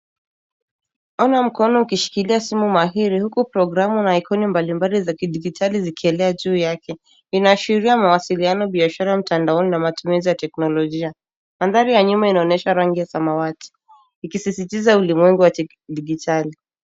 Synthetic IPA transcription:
ɔnam̩kɔnɔukiʃi̥kiliasimumaɦiɾihukupɾɔɡɾamunaːikɔnimbalimbalizakiɗiɡitʰalizikiɛlɛaʄuːjakɛ | inaːʃiɾiamawasilianɔɓiaʃaɾaam̩tandaɔninamatumizijatɛknɔlɔʄia | maðaɾijaɲumainaɔnɛʃaɾaŋɡijasamawati̥ː | kisisitizaulimwɛŋɡuwa | ɗiɡitʰali

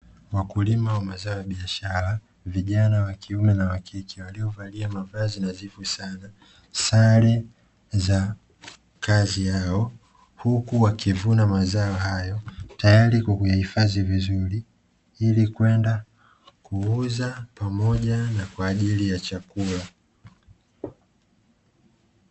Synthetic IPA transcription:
wakulimawamazaɔjaɓiaʃaɾa | viʄanawakiumɛnawakʰikʰiwaliɔvaliamavazinazivusana | saɾɛ | za | kazijaɔ | hukuwakivunamazaɔɦajɔtajaɾikukujahifazivizuɾi | ilikwɛnda | kuuzapamɔʄanakwaːʄilijat͡ʃakula

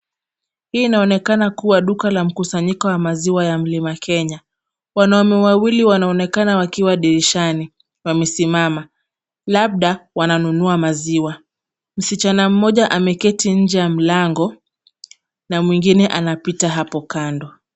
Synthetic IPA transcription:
hiːnaɔnɛkanakuwaɗukalam̩kusaɲikɔwamaziwajam̩limakʰɛɲa | wanaɔmɛwawiliwanaɔnɛkanawakiwaɗiɾiʃani | wamɛsimama | laɓ̚ɗawananunuamaziwa | m̩sit͡ʃanam̩mɔʄaʔamɛkɛtiɲ̩d͡ʒɛjam̩laŋɡɔ | namwiŋɡinɛʔanapitaɦapɔkandɔ

